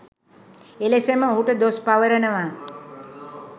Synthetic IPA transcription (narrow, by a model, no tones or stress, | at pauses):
eleseməɦuʈəd̪ospaʋəɾənəʋa